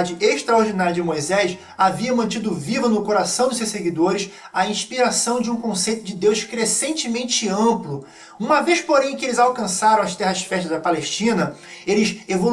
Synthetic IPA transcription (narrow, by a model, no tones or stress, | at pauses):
d͡ʒɪʔeʃt̪ɾaoɾd͡ʒinaɾjɐd͡ʒɪmojzɛʃ | aviɐmɐ̃t͡ʃid̪ʊvivɐnʊkoɾasɐ̃w̃d͡ʒ̪ɪsewʃseɡid̪oɾɪʃ | aĩʃpiɾasɐ̃w̃d͡ʒɪũkõsejt̪ʊd͡ʒɪd̪ewskɾesẽnt͡ʃɪmẽnt͡ʃɪɐ̃mplʊ | ũmɐvejʃpoɾẽj̃kɪelɪzawkɐ̃saɾɐ̃w̃ɐʃt̪ɛɦɐʃfɛʃt̪ɐd̪ɐpaleʃt͡ʃĩnɐelɪʃevo